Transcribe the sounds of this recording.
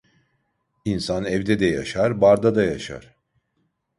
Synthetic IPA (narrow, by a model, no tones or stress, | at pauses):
insanɛvd̪ɛd̪ɛja̰ʃaɾbaɾd̪ad̪ajaʃa̰ɾ̥